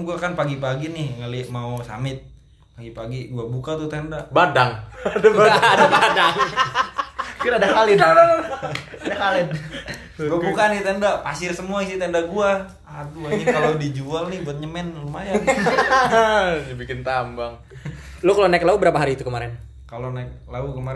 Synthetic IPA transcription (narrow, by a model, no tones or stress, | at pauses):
ɡuakanpaɡipaɡinɪhŋalɪmausa̰mɪt̪̚ | paɡipaɡiɡuabukat̪ut̪ɛndaʔbadaŋdaaadabadaŋ | kiɾadakalɪd̪ | adakalɪn | ɡuabukanɪt̪ɛndapasɪrsəmuaisit̪ɛndaɡua | ad̪uaɲikalodid͡ʒualnɪhbuat̪̚ɲəmɛnlumajan | d͡ʒabikɪnt̪ambaŋ | lokalonaɛklaubəɾapaɦaɾiːt̪ukəmaɾɛn | kalonajk̚laukəmaɾ